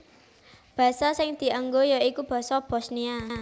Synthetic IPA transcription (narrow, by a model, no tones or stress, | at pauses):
b̥ä̤sasɪŋd̪̥i̤ʔaŋɡojaikub̥a̤sɔb̥o̤snia